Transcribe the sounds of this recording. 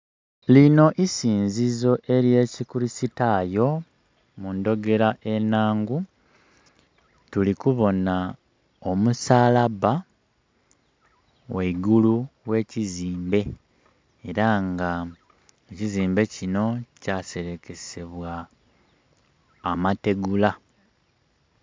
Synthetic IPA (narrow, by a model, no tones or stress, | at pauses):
lino̞ʔisiːnzizo̞ʔe̞ɾje̞ːcikuɾisitajo̞ | mundo̞ɡe̞ɾaʔe̞naːŋɡu | tulikuβo̞na | o̞musaːlaβa | weɡuluwe̞ːciziːmbe̞ː | ɾaŋɡa | eciziːmbe̞cino̞case̞ɾe̞ke̞se̞βwa | mate̞ɡula